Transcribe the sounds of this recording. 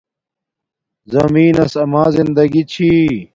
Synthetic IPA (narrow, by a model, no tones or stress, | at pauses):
zɐmiːnɐsɐmaːzind̪ɐɡit͡ɕʰi